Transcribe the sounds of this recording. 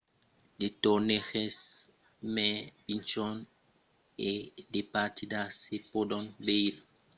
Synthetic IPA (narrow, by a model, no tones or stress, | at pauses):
detɔnexɛs | mɛb̥int͡ʃɔn | edepatidasepodɔnbejli